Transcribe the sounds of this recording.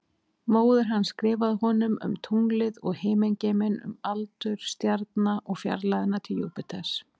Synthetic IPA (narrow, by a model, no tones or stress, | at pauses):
moːwðʏɾ̥ɦanːskɾɪːvaðɦɔnʏmʏ̰mt̪ʰuŋlɪðɔɣheːjmeɲcemɪnʏ̰malt̪ʏɾ̥st̪jaɾt̪naʔɔɣfja̰ɾlaðɪnːat̪ʰɪljowpɪt̪ʰas